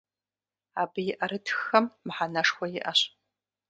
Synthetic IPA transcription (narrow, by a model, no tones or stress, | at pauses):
aːbɨjɪʔɐɾɨtʰxːɐmːħanɐʂxʷɔjɪʔɐɕ